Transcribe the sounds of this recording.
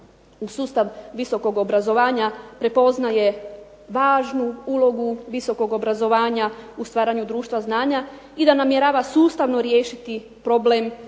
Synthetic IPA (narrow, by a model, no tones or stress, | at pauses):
usuːst̪aʋʋiso̞ko̞ɡo̞bɾazo̞ʋaːɲapɾe̞po̞znaje̞ | ʋaːʒnuulˠo̞ɡuʋiso̞ko̞ɡo̞bɾazo̞ʋaːɲaust̪ʋaːɾaɲud̪ɾuːʃt̪ʋaznaːɲa | id̪anamjeɾaːʋasuːst̪aʋno̞ɾjeːʃit̪i | pɾo̞blem